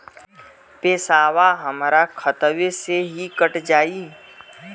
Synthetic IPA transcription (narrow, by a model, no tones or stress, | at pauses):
peːsaːʋaɦəmɾakʰət̪ʋeseɦikəʈd͡ʒaːiː